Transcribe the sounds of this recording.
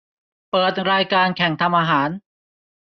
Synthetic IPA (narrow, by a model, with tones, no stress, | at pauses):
pɤː˨˩t̪̚ɾaː˧jkaː˧nkʰɛ˩˦ŋt̪ʰa˧mʔaː˧ɦaː˩˦n